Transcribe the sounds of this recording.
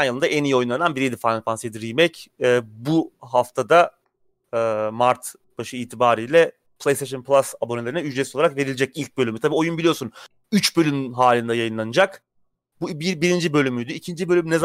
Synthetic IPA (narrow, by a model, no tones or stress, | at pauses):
njalɯnaʔenijio̞junˠananbiɾjed̪ifanʲfansed̪iɾimɛcɛːbuɦaft̪ʰad̪a | maɾt̪ | b̥aʃɯiːt̪ʰibaːɾijlʲɛ | pʰlˠejst̪ʰeʃ̬onpʰlˠasabo̞ne̞lʲeɾinɛyd͡ʒɾesioaɾakve̞ɾilʲed͡ʒɛcilʲc̚bølʲymyt̪ʰabiːo̞junbilʲijo̞ɾsun | yt͡ʃbø̞lʲymɦaːlʲind̪ɛjajɯnlˠanɯd͡ʒak | bubibiɾind͡ʒibø̞lʲymyjd̪yicʰind͡ʒibø̞lʲymnez